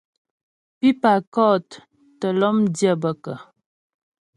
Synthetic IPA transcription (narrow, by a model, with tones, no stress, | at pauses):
pi˦pa˨kɔ˦˨t | tə˨lɔ˦mdjə˦bə˨kə˨